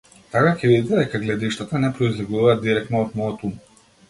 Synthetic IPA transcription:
t̪akacɛvid̪id̪ɛd̪ɛkaɡlɛd̪iʃt̪at̪anɛpɾɔizlɛɡuvaːd̪iɾɛkt̪nɔːt̪mɔɔt̪um

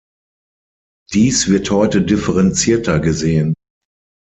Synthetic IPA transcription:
d̥iːsv̥ɪɐthɔʏtədɪfəʁɛnt͡siːɐtʰɐɡəzeːən

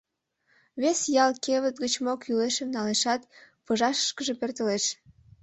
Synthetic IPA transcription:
βesjɑlkeβət̪̚ɡət͡ɕmokyleʃemnɑleʃɑt̪pəʒɑʃə̥ʃkəʒepert̪əleʃ

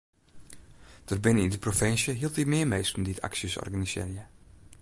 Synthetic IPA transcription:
d̥ərbɪnəindəprofɪnsjəɦilˠtimɪːɹmejstənditʰa̰ksjəsɔ̰rɡanisɪ̰ːrjə

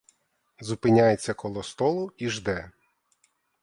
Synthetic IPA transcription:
zʊpɪnʲajet͡sʲːɐkɔlˠɔst̪ɔlˠʊiʒd̪ɛ

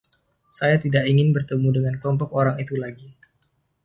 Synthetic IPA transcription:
sajat̪idaʔiŋɪnbərt̪əmudəŋanklɔmpɔkoɾaŋit̪ulaɡi

